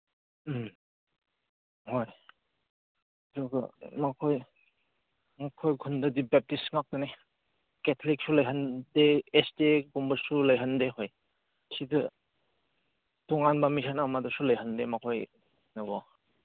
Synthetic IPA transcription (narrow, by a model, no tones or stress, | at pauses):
hoj | dɔkɯ̰makʰoj | makʰojɡʰʱundɯdibɛp̚tisŋak̚tɯne | ketʰolik̚sulajɦəndeːsteɡɔmbəɾsuləjɦəndeɦoj | sidɯ | tɔŋanbamisʰanawmadɔsuləjɦəndemakʰoj | nɯɡɔ